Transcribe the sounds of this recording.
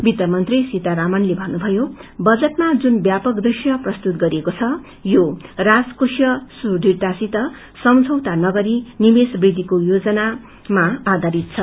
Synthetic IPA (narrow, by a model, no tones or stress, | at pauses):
bid̪ʌmʌnt̪risit̪aɾamʌnlebʱʌnːubʱʌjobʌd͡zʌʈmad͡zunbjapʌkd̪risjʌprʌst̪ut̪̚ɡʌɾiekot͡sʰʌ | joraskusjʌsuɖʱirt̪asit̪ʌ | sʌmd͡zʱʌwt̪anʌɡʌɾinimesbrid̪ʱːikojod͡zʌna | maːd̪ʱaɾit̪̚t͡sʰʌ